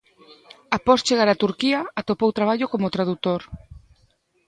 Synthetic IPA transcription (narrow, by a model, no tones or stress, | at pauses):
apɔst͡ʃeɣaɾat̪uɾkiɐat̪opowt̪ɾaβ̞aʎʊkomʊt̪ɾaðut̪oɾ